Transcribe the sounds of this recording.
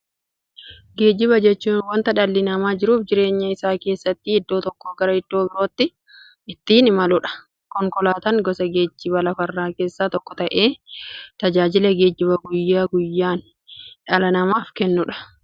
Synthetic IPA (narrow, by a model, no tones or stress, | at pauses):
ɡe̞ːd͡ʒɪβɐd͡ʒɛt͡ʃːuːnwɐnt̪ɐᶑɐlːɪnɐmaːd͡ʒɪɾuːfd͡ʒɪɾe̞ːɲːɐɪsaːke̞ːsːɐt̪ːɪɪd̪ːoːt̪ɔkːoːɡɐɾɐɪd̪̥ːo̞ːbɪɾo̞ːt̪ːɪ | ɪt̪ːiːnɪmɐlʊᶑɐ̥ | kɔŋkɔlaːt̪ɐŋɡɔsɐɡe̞ːd͡ʒːɪbɐlɐfɐrːaːke̞ːsːaːt̪ɔkːɔ̥t̪ɐʔe̞ːt̪ɐd͡ʒaːd͡ʒɪlɐɡe̞ːd͡ʒɪβɐɡʊjːaːɡʊjːaːn | ᶑɐlɐnɐmaːfkɛnːʊᶑɐ̥